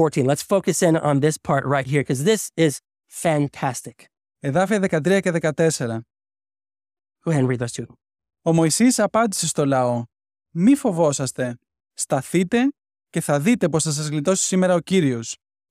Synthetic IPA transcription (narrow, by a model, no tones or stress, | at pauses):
ɔɹtʰĩnlətsfoʊkɨsɪ̃nə̃nðɪspʰɑɹt̚ɹaɪt̚ɦiɹkʰʌzðɪsɪz̥ | fæ̃ntʰæstɪk | e̞ðɐfiɐðe̞kɐt̪ɾiɐce̞ðe̞kɐt̪e̞se̞ɾɐ | huɛ̃nɹiðoʊz̥tʰʉ | o̞mo̞isisɐpɐnd̪ise̞st̪o̞lɐo̞ | mifo̞vo̞sɐst̪e̞ | st̪ɐθit̪e̞ | ce̞θɐðit̪e̞po̞sθɐs̬ɐzɣlit̪o̞si̥sime̞ɾɐociɾio̞s